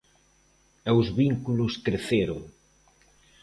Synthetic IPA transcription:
ewzβiŋkulʊskɾeθeɾoŋ

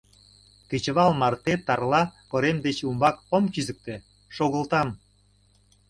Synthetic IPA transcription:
ket͡ɕəβɑlmɑrt̪et̪ɑrlɑkoɾemd̪et͡ɕumbɑkomkyzə̆k̚t̪e | ʃoɣə̆lˠt̪ɑm

